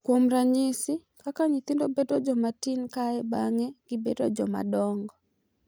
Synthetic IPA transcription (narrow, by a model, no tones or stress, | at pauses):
kwomɾaɲɪsɪkakaɲit̪ɪndobedɔd͡ʒɔmatinkaɛbaŋɛɡ̥ɪbedɔd͡ʒɔma̰dɔŋɡɔ